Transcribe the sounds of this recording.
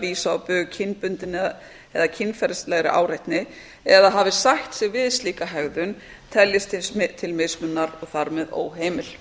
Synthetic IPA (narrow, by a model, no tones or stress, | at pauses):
viːsawpʏɣcʰɪnpʏnt̪ɪnː | ɛðacʰɪnːfɛɾɪst̪lɛɣɾɪ̰ʔa̰ːwɾajht̪nɪ | ɛðaɦaːvɪsaht̪sɛɣvɪðst̪liːkaɦɛɣðʏn | t̪ʰɛljɪst̪ʰɪst̪ʰɪlmesmʏnːaɾɔɣθaɾmɛðo̰ːwɦeːjmɪl̥